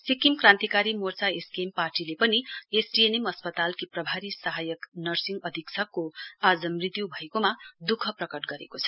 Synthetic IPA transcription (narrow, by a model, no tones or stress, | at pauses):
sikimkrãnt̪ikaɾimort͡saeskemparʈilepʌniesʈienemʌspʌt̪alkiprʌbʱaɾisʌɦajʌknʌrsiŋɡʌd̪ʱiksʰʌkːoad͡zʌmrit̪jubʱʌekomad̪ukʰʌprʌkʌʈɡʌɾḛkot͡sʰʌ̥